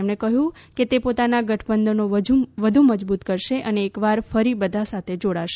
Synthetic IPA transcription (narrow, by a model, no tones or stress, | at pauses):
mɳekəɦjũket̪epot̪anaɡəʈʰbənd̪ənod͡ʒuʋəd̪ʱuməd͡ʒbut̪kəɾʃeʔəneːkʋaɾfəɾibəd̪ʱasat̪ʰed͡ʒoɽaʃe